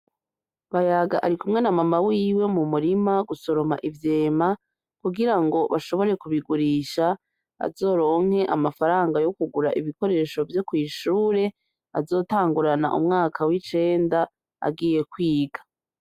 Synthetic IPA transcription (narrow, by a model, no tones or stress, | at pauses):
βajaɡaʔaɾikumŋe̞namamawiːwe̞mumuɾimaɡuso̞ɾo̞ma̰ʔivje̞ːma | kuɡiɾaŋɡo̞βaʃo̞βo̞ɾe̞kuβiɡuɾiʃa | a̰zo̞ːɾo̞ːŋ̥he̞ʔamafaɾaːŋɡajo̞kuɡuɾa̰ʔiβiko̞ɾe̞ːʃo̞vjo̞kwiːʃuːɾe̞ | a̰zo̞ːtaːŋɡuɾana̰ʔṵmŋaːkʰawit͡ʃe̞ːnda | a̰ɡiːje̞kwiːɡḁ